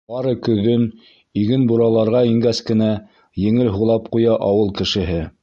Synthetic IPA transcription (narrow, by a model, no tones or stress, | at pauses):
bɑɾɤkɵ̆ðːɵn | iɡɘnbuɾɑlˠɑɾʁɑiŋɡæskɘ̆næ | jɘ̆ŋɘlɦuʁlˠɑpqujɑʔɑwɤlˠkɘ̆ʃɘ̆ɦɘ